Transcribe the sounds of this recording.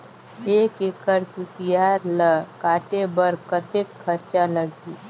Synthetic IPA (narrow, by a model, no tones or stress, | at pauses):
eːkeːkəɾkusijaːɾləkaːʈebəɾkət̪ekʰːəɾt͡ʃaləɡiː